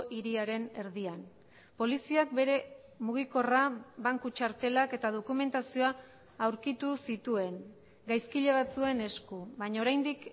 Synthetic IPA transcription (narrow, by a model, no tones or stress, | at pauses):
ʔiɾiaɾe̞ne̞ɾðian | po̞lisiak̚be̞ɾe̞ | muɣ̞iko̞raβaŋkut͡ʃaɾt̪e̞lake̞t̪að̞o̞kume̞nt̪asio̞aː | wɾkit̪usit̪ue̞ŋ | ɡajskiʎe̞β̞at͡sue̞ne̞skuβaɲaoɾajnd̪ik